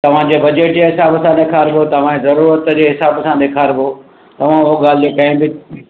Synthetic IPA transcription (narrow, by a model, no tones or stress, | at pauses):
t̪ɐʋ̤ãd͡ʑeːbɐd͡ʑeːʈd͡ʑeɦɪsaːbəsãd̪eːkʰaːɾbʱot̪ɐʋ̤ãezɐɾuːɾət̪d͡ʑeːɦɪsaːbəsãɗ̪eːkʰaːɾbɪo | t̪ɐʋ̤ãɦoɡaːl̤d̪ekɐ̃ɦɪ̃bɪ